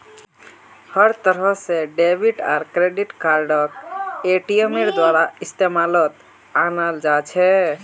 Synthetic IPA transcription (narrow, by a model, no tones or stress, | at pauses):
həɾt̪əɾəɦseɖebʱiʈa̰ɾkɾeɖiʈkaɾɖəkeʈijəmeɾd̪waɾaist̪emalət̪ | anald͡ʒat͡ʃʰɛ